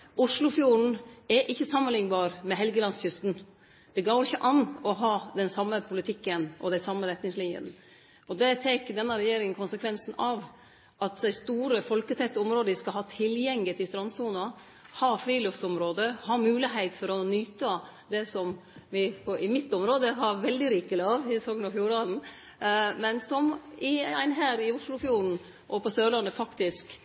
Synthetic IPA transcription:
ʔʊʂlʊfjuːɳ̩ɛʔɪçːəsɑmːənlɪŋːbɑːɾmɛɦɛlɡəlɑnsçʏst̪n̩ | d̪̥ɛɡɑːɾɪçːəʔɑnɔɦɑːd̪ɛnsɑmːəpʰʊlɪt̪ʰɪkːənʔɔ̰d̪æɪsɑmːəɾɛt̪nɪŋslɪnjə̰n | ʔɔd̪ɛt̪ʰɛkd̪ɛnːəɾɛjeːɾɪŋənkʰʊnsəkʰʋɛnsn̩ɑʋ | ʔɑt̪d̪æɪst̪uːɾəfɔlkət̪ʰɛt̪ːəɔmɾoːd̪əʋɪskɑlɦɑːt̪ʰɪljɛŋlɪt̪ʰɪst̪ɾɑnsuːnɑ | hɑfɾiːlʉftsɔmɾoːd̪əhɑmʉːlɪɦæɪt̪fɔɾɔnyːt̪ɑ | d̪ɛsɔmʋɪpʰɔʔɪmɪt̪ːɔmɾoːd̪əɦɑɾʋɛld̪ɪɾiːkəlɑːʋɪsɔːɡənɑfjuːɾɑːd̪n̩ | mɛnsɔmɪæɪnɦæːɾɪʊʂlʊfjuːɾn̩ | ʔɔpɔsøːlɑnːəfɑkt̪ɪsk

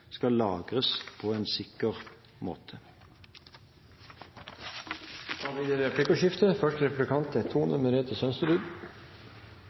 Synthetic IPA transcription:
skɑllɑːɡʁəspʰoːeːnsɪkəʁ | mo̰ːt̪ʰə | hɑːʋiːd̪eːɾɛpʰlɪkəʃɪft̪əfœʃʈəɾɛpʉblɪkʰɑnt̪ət̪ʰuːnʔʉməɾeːt̪ʰəsœnst̪əd̪ʉːɡ̪

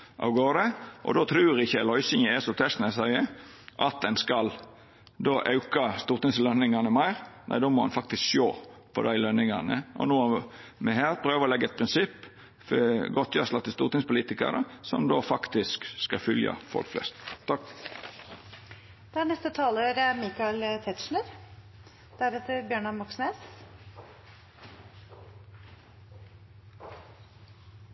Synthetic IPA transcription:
ʔɑ̰ʊɡoːd̪əʔɔ̰d̪oːt̪ʰɾʉːɾɪçːəlɔʏsɪŋəɛsɔt̪ʰɛst̪nɛsæɪəʔɑt̪̚d̪ɛnskɑl | d̪oːʔɑʉkɑst̪uːɾt̪ɪŋslœnɪŋɑnəmæɪɾnæ̰ɪd̪oːmɔhɑ̰nfɑk̚t̪ɪskʃo̰ːpʰɔ̰d̪æɪlœnɪŋɑnə̰ʔɔ̰nuːɑmɛɦæːɾpʰɾøːʋəɾɔlɛɡːəɛt̪̚pʰɾɪnsɪpː | fɡɔt̪ʰːjɑslɑt̪ɪst̪uːɾt̪ɪŋspʊliːt̪ɪkə̰ɾə̰sɔ̰md̪oːfɑkt̪ɪskskɑfʏljə̰fɔ̰lkflɛ̰st̪ɑ | d̪̥ɛæɳɛst̪ət̪ʰɑːləɾəmikɑɪlt̪ʰɛt̪ʃɳəɾ | d̪̥æɾet̪əɾbjøːɳɑmɔksneːs

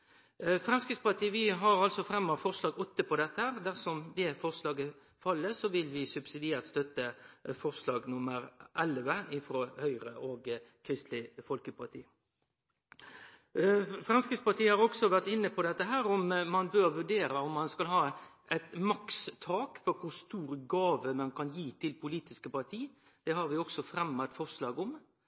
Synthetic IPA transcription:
fɾʁɛmskɾɪt̪spɑt̪ʰiːʋɪɦɑɾɑlsɔfɾɛmːɔfɔʁslɑːɡɔt̪ːəpʰɔd̪ɛt̪ːəhæːʁd̪æʁsɔmd̪ɛfɔʁslɑːɡə | fɑlːəsɔʋɪlʋɪsʉbsɪd̪ɪæːʁt̪st̪œt̪ːəfɔʁslɑːɡnʊməɾʔɛlʋəɪfɾoːhœʏʁəʔoːɡkʰɾɪst̪lɪfɔlkəpʰɑt̪ʰḭː | fɾɑnskɾɪspɑt̪iːəhɑʁɔɡsɔʋæʁt̪ɪnːəpʰɔd̪ɛt̪ːəɦæːɾɔmmɑnbøːɾʋʉɖeːɾəɔmːɑnskɑlɦɑː | ɛt̪mɑkst̪ʰɑːkfɔɾkʰʊɾst̪uːɾɡɑːʋəmɑnkɑnjiːt̪ʰɪlpʰʊliːt̪ɪskəpɑt̪ʰiː | d̪̥ɛhɑɾʋɪɔksɔfɾɛmːɑt̪fɔʁslɑːɡʊm

